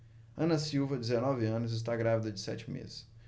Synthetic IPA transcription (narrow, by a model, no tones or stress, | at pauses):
ɐ̃nɐsiwvɐd͡ʒɪzenɔvɪɐ̃nʊzɪs̬t̪aɡɾavid̪ɐd͡ʒɪsɛ̰t͡ʃɪmḛzɪs